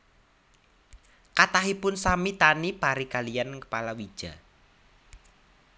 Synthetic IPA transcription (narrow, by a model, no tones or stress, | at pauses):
kat̪aɦipʊnsamit̪anipaɾikalijankə̥palawid̥ʒ̥a̤̰